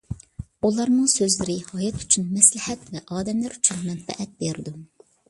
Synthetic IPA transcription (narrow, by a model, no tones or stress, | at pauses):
ulˠɑɾnɨŋsøzlɪɾɪhɑjɑt̪ʰy̥t͡ʃʰynmɛslɪhɛt̪vɛʔɑːd̪ɛmlæɾyt͡ʃʰynmɛnfɛ̰ʔɛt̪̚beɾɪd̪u